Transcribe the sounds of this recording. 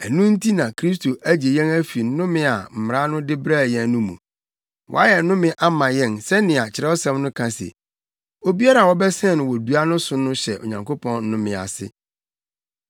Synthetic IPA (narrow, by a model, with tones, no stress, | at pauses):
æ˨nũ˦n̩˦tʰi˦nã˨kʰɾi˦s̬tʰo˨ʔæ˦d͡ʑe˨jɛ̃˦ŋæ˦fi˨˦nʊ̃˦mɪ̃˦a˨m̩˨m˨ɾã˦nʊ̃˦dɪ˦bɾa˦˨jɛ̃˨˦nʊ̃˦mṵ̃˨ | wɔ̰˦a˦jɛ˨˦nʊ̃˦mɪ̃˦ʔa˦mã˨jɛ̃˦nsɛ˦nɪ̃˨a˨t͡ɕʰɪ˨ɾɛ˦ɔ˦sa˨mnʊ̃˦kʰã˨sɛ̰˨ | o˦bi˦a˦ɾa˨wɔ˦bɛ˦sɛ̃˦˨nʊ̃˨wɔ˨du˦a˦nʊ̃˦sʊ˦nʊ̃˦ɕɛ˨ʔo̰˨ɲã˨ŋko˦pʰɔ̃˦n̩˦nʊ̃˦mɪ̃˨a̰˨sɪ̰˦